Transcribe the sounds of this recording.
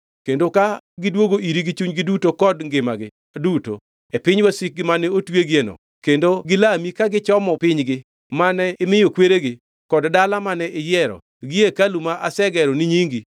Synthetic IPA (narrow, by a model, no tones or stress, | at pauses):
kendoka | ɡɪdwoɡoʔiɾiɡit͡ʃuɲɡɪdutokɔdŋɡɪmaɡɪ | duto̰ | epɪɲwasik̚ɡɪmanɛotweɡienɔ̰ | kendoɡɪlamikaɡɪt͡ʃɔmɔpɪɲɡɪ | manɛɪmɪjokweɾeɡɪ | kɔddalamanɛʔɪjɛɾɔ̰ | ɡɪjekalumaʔasɛɡɛɾɔnɪɲiŋɡi